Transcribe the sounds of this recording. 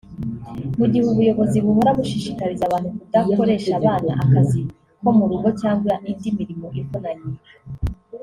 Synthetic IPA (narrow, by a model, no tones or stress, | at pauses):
muɟihuβujo̞βo̞ziβuhoɾaβuʃiʃikaɾizaβaːnhukudako̞ɾe̞ːʃaβaːna̰ʔakazi | ko̞muɾuɡo̞caːŋɡwanindimiɾimo̞ʔivonaɲiɾa